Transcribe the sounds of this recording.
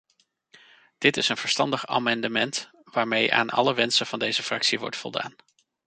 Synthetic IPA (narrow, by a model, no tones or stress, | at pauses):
d̥ɪtɪsənv̥əɹstɑndəχa̰ːmɑndəmɛnt | ʋaːɹmejʔa̰ːnʔɑ̰ləʋɛnsənvɑndejzəfrɑksiʋɔ̰ɹtfɔ̰lˠda̰ːn